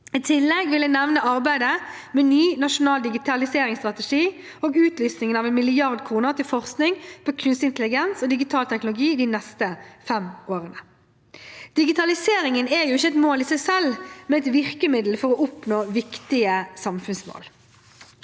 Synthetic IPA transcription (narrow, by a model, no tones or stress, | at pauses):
iːt̪ʰɪlːɛɡʋɪlːənɛʋnəɑʁbæɪd̪ə | mɛːnyːnɑʂʊnɑːld̪ɪɡɪt̪ʰɑlɪseːɾɪŋst̪ʁɑt̪əʂiː | oːɡʉːt̪lyːsnɪŋənɑʋɛnmɪlɪɑʁd̪kʰuːnəʁt̪ɪlfɔʁsknɪŋpʰokʰʉnst̪ɪnt̪əlɪɡɛnsoːd̪ɪɡɪt̪ʰɑːlt̪ʰɛknʊlʊɡiːd̪inɛst̪əfɛmoːʁənə | d̪̥ɪɡɪt̪ʰɑlɪseːɾɪŋənɛjʊɪçːəɛt̪moːlɪːsæɪsɛlmɛnɛt̪ʋɪʁkəmɪd̪l̩fɔʁɔʔʊpnoːʋɪkt̪ɪəsɑmfʉnsmo̰ːl